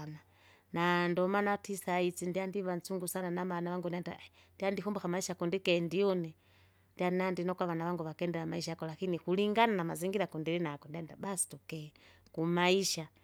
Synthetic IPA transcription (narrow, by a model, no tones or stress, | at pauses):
na | nandɔmanatisait͡sindiandiβant͡suŋɡusananamanaβaŋɡunianda̰ | ndiandihɔmbɔxamaiʃakundikɛndiɔnɛ | ndianandinɔkwaβanaβaŋɡuβakɛndɛamaiʃakɔlakinikuliŋɡananamaziŋɡiɾakundiɾinakɔndiandabasi̥tukɛ | kumaiʃa